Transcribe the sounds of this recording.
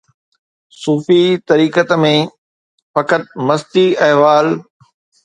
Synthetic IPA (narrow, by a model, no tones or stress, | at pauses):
suːfit̪ɐɾiːkət̪mẽ | fɐkət̪̚mɐst̪iɐɦʋaːl